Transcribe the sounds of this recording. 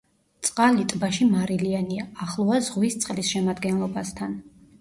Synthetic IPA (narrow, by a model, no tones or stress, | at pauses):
t̪sʼqʼalit̪ʼbaʃimaɾilianiaːχlˠɔazʁwist̪sʼqʼlisʃɛmad̪ɡɛnlˠɔbast̪ʰan